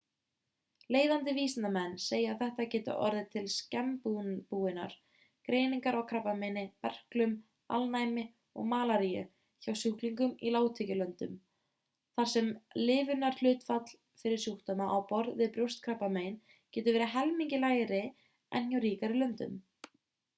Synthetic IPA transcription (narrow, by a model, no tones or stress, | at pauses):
leːjðant̪ɪviːsɪnamɛnːseːjaaθɛht̪acɛːt̪ʏ̰ʔɔ̰ɾðɪt̪ʰɪlscɛmpupuːɪna̰ɾ̥ | kɾeːjniŋkaɾɔɣkʰɾapːamejnɪpɛr̥klʏm | a̰lnajmɪ | ɔ̰ɣmaːlaɾijʏ̰ | çawsjuhkliŋkʏmilaːwt̪ʰɪcɪlœnt̪ʏ̰m | θaɾ̥sɛmlɪːvʏnaɾ̥l̥ʏːt̪fat̪l̥ | fɪɾɪɾ̥sjuht̪anaʔawpɔɾðvɪðpɾjow̥st̪kʰɾapːameːjn | cɛːt̪ʏɾvɛːɾɪɦɛlmiɲcɪlaːjɾɪ | ɛnhjawɾiːkaɾɪlœnt̪ʏ̰m